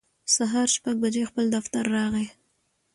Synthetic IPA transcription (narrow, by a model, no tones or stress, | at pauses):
saɦɑɾʃpaɡ̚bad͡ʒexpəld̪aft̪aɾːɑɣe